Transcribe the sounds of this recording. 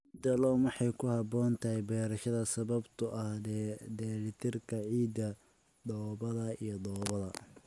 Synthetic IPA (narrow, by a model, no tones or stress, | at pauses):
d̪ɐlɔmɑħɑjkʰʊhɑbɔːnt̪ʰɐhɛjbɛːɾɐʃɐðɐsɐβɐbt̪ʰʊʔɐhd̪ɛd̪ɛːɾɪt̪ʰɪrkʰɐʕiːd̪ɐ | d̪ɔːβɐðɐijɔd̪ɔːβɐðɐ